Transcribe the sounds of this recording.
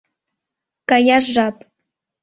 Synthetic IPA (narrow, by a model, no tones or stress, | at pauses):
kajaʒːap